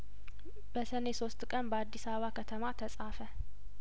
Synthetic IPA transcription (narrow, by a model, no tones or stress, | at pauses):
b̥əsəne̞so̞st̪ʼkʼənbəad̪ːisaβəβakʰət̪ʰəmat̪ʰəsʼafə